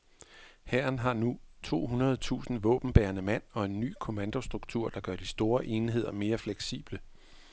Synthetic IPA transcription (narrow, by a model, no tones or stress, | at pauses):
hæɐnɦɑ̈nut͡sʰo̝̰ːɦunɐð̞̩ˠt͡sʰṵːsn̩ʋɔ̰ːb̥n̩b̥æːɐnəmæn̰ɒ̽e̝nːy̰ːkʰo̝mænd̥o̝sd̥ʁuɡ̥̚t͡sʰuɐ̰d̥ɑ̈ɡ̥ɶɐ̰d̥isd̥o̝ːɐʔe̝ːnɦe̝ð̞̰ˠɐme̝ːɐfleɡ̥sḭːb̥lə